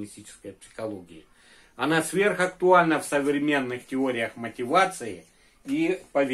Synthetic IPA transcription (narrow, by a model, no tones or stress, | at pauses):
nʲɪsʲt̪ʲit͡ɕɪ̥skəjpsʲɪ̥xɐlˠoɡʲɪjɪ | ɐnasvʲe̞rxɐkt̪ʊalʲnəfsɐvɾʲɪmʲe̞nːɨxtʲɪoɾʲɪjəxmɐtʲɪvat̪sɨjɪ | ipɐvʲ